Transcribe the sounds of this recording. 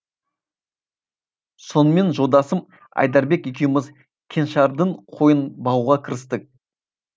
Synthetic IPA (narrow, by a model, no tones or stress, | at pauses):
so̞nəme̞nʒo̞lˠd̪ɑsəm | ɑ̰jd̪ɑɾbe̞kjek̬ʲejmɪz | kʲʰe̞nʃɑɾd̪əɴqʰo̞jənbɑwuʁɑkʲʰɪɾɪst̪ək̚